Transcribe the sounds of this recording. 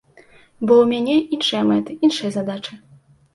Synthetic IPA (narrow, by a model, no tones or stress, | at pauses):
bɔwmʲanʲɛinʂɐjɐmɛt̪ɨinʂɐjɐzad̪at͡ʂɨ